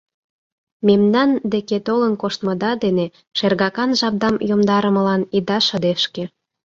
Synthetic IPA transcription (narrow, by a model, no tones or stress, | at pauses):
memnɑnd̪eket̪olənkoʃt̪mɤd̪ɑd̪ene | ʃerɣɑkɑnʒɑb̚d̪ɑmjomd̪ɑɾəmə̆lɑnid̪ɑʃə̆d̪eʃkĕ